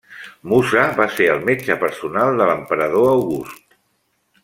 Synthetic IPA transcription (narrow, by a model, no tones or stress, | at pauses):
musaβaseəlˠmed͡ʒəpəɾsunalˠd̪ələmpəɾəð̞oəwɣust̪